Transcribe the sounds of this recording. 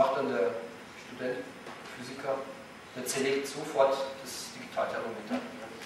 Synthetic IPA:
aχd̥andeːɐ | ʃtudɛnt | fyːzɪkʰɐ | d̥eːɐt͡sɛleːk̚tz̥ofɔɐtd̥asd̥iɡitʰaːltʰɛʁomeːtʰɐ

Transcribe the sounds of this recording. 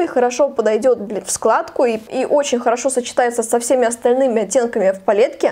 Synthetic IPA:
ixəɾɐʂo̞pəd̪ɐjdʲo̞t̪̚ʲfsklˠat̪kʊiiʔo̞t͡ɕɪnʲxəɾɐʂo̞sət͡ɕɪ̥t̪ajɪt̪səsɐfsʲemʲɪɐst̪ɐlʲnɨmʲɪɐtʲːe̞nkəmʲɪfpɐlʲe̞t̪kʲɪ

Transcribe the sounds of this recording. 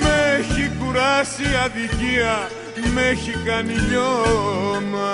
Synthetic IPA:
meçikuɾasiaðikia | meçikaniʎo | ma

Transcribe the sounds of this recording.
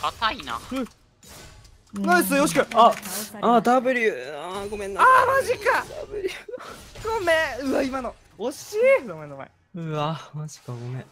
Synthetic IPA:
at̪aina̰ɯ̟̃ | nãnd̪es̬ɨejoɕ̬ikɯaad̪abɯ̟ɾʲɯaɡo̞mẽnːaamaʑikad̪abɯɾʲɯɡomeɯ̟aimano | oɕiːd̪omenomḛ̃ | ɯamaʑi̥kaɡomẽ

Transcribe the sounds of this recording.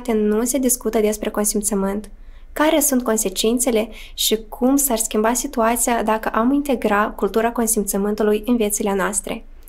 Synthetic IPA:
t̪enuse̞d̪iskut̪əd̪e̞spɾe̞ko̞nsimt̪səmɨnt̪ | kaɾe̞sunt̪̚ko̞nse̞t͡ʃint̪se̞le̞ | ʃikʰumsarskʲimbasit̪uat̪sijad̪akəʔamint̪e̞ɡɾakult̪uɾako̞nsimt̪səmɨnt̪ulujɨnvje̞t̪silenoast̪ɾe̞̰

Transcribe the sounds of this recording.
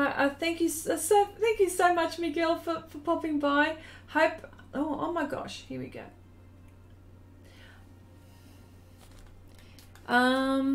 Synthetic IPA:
ɪʔəθæ̃ŋkjɨssoʊθæ̃ŋkjɨsoʊmʌt͡ʃmiɡɪlˠfə˞fə˞pʰɑpɪ̃ŋbaɪhoʊp | ʔoʊʔo̰ʊmaɪɡɑ̰ʃhiəwḭɡo̰ʊ | ʔʌ̃m

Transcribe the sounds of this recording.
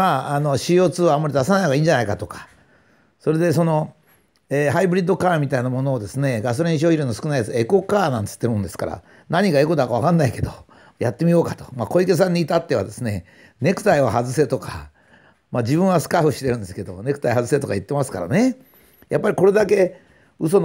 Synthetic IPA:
maːno̞ɕijo̞ːt͡sɨːamːaɾʲid̪asanaihoaiːɲ̟d͡ʑanaikat̪o̞kḁ | so̞ɾe̞d̪e̞so̞no̞ | ehaibɯɾʲid̪ːo̞kaːmʲit̪ainamo̞no̞ːd̪e̞sɨne̞ɡas̬oɾẽɕ̬oiɾɯnːosɨ̥kɯ̟najat͡sɨe̞ko̞kaːnãnt̪ɨ̥t̪ːeɾɯ̟̃nd̪e̞sɨ̥ka̰ɾa̰ | naɲ̟iɡae̞ko̞d̪akaβ̞akãnːaike̞d̪o | jat̪ːe̞mʲijo̞ːkat̪o̥mako̞ike̞s̬ãɲ̟ːiːt̪at̪ːe̞β̞a̰d̪e̞sɨne̞ | ne̞kɯ̥t̪aiβahazɨse̞t̪o̞kʰa̰ | mad͡ʑibɯ̃ɰ̃asɨ̥kaɸɯ̟ɕi̥t̪e̞ɾɯ̟̃nd̪e̞sɨ̥ke̞d̪o̞̰ne̞kɯ̟t̪aiɦazɨs̬e̞t̪o̞kait̪ːe̞masɨ̥ka̰ɾa̰ne̞ | japːaɾʲiko̞ɾe̞d̪ake̞ | ɯ̟so̞n

